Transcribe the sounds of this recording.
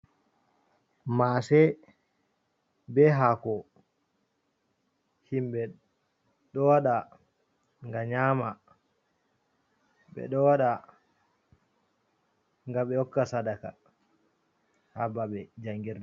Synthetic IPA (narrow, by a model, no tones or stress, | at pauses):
masɛ | bɛɦakɔ | himbɛ | ɗɔwaɗa | ŋɡaɲaːma | ɓɛ̰ɗɔwaɗa | ŋɡaɓɛɔkːasadaka̰ | habaɓɛd͡ʒaŋɡiɾdɛ